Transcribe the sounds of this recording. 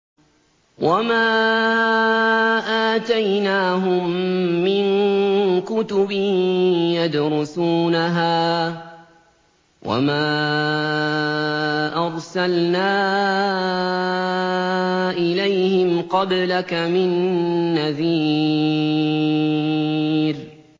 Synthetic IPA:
wamaː | ʔaːt̪ajnaːɦʊmːɪŋ | kʊt̪ʊbɪjad̪ɾˤʊsuːnaɦaː | wa̰maː | ʔɑɾˤsalnaː | ʔɪlajhɪmqɑblakamɪnːaðiː | ɾ

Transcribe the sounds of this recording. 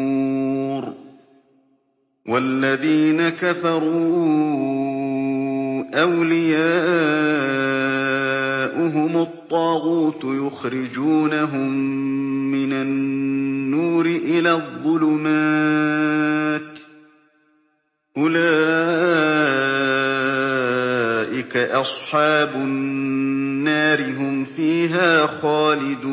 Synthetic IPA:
ɾ | wʔalːaðiːnakafɑɾˤu | ʔawlɪjaːʔ | ʔʊɦʊmʊt̪ˤːɑːɣuːt̪jʊxɾɪd͡ʒuːnaɦʊmː | ɪnanː | uːɾɪʔɪlaːðˤːʊlʊma | t̪ | ʔʊlaː | ʔɪkaʔɑsˤħɑːbʊ | nːaːɾɪɦʊmfiːɦaːxaːlɪd̪uː

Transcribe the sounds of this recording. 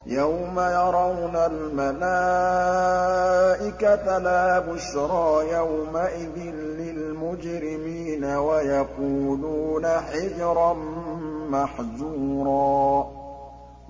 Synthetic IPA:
jawmajɑɾˤɑwnalmala | ʔɪkat̪alaːbʊʃɾˤɑːjawmaʔɪðɪnlɪlmʊd͡ʒɾɪmiːnawajaquːluːnaħɪd͡ʒɾˤɑnmaħðuːɾˤɑː

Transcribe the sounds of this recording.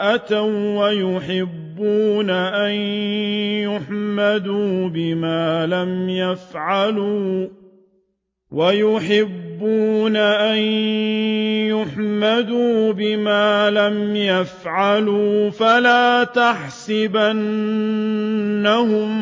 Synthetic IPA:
ʔat̪awwajʊħɪbːuːnaʔan | jʊħmad̪uːbɪmaːlamjafʕaluː | wajʊħɪbːuːnaʔan | jʊħmad̪uːbɪmaːlamjafʕaluːfalaːt̪aħsɪban | aɦʊm

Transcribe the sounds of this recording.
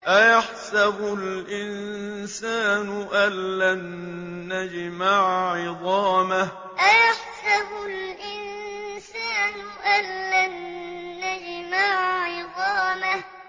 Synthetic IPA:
ʔajaħsabʊlʔɪnsaːnʊʔalːanː | ad͡ʒmaʕʕɪd̪ˤɑːmah | ʔajaħsabʊlʔɪnsaːnʊʔanːanːad͡ʒmaʕʕɪd̪ˤɑːmah

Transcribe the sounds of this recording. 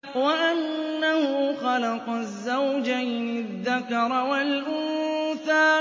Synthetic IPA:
waʔanːahʊxɑlɑqɑzːawd͡ʒajnɪðːakɑɾˤwalʔuːθaː

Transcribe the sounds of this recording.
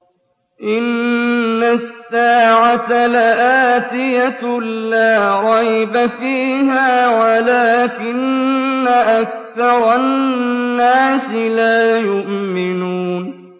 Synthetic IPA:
ʔɪnː | asːaːʕat̪alaʔaːt̪ɪjalaːɾˤɑjbafiːɦaːwalaːkɪnːaʔak̚ | θɑɾˤɑnnːaːsɪlaːjʊʔmɪnuːn

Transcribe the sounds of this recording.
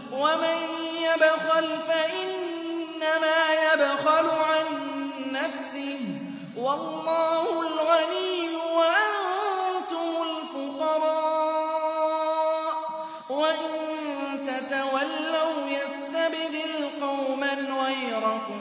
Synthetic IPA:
wamanjabxalfaʔɪnːamaːjabxalʊʕanː | afsɪh | wɑlːɑːhʊlɣaniːmʊwaʔant̪ʊmʊlfʊqɑɾˤɑː | ʔ | waʔɪnnt̪at̪awalːawjast̪abɪd̪ɪlqɑwmanɣajɾakʊm

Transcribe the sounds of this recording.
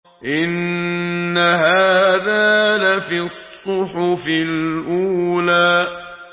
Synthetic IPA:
ʔɪnː | aɦaːðaːlafisˤːʊħʊfɪlʔuːlaː

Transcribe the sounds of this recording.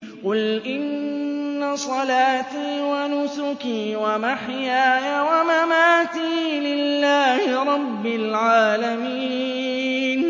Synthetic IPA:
qʊlʔɪnː | asˤɑlaːt̪iːwanʊsʊkiːwamaħjaːjawamamaːt̪iːlɪlːaːhɪɾˤɑbːɪlʕaːlamiː | n

